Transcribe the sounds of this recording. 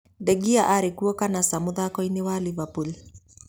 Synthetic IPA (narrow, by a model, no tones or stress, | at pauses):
dɛɡiaʔaɾekuɔkanasamoðakɔinewalivapul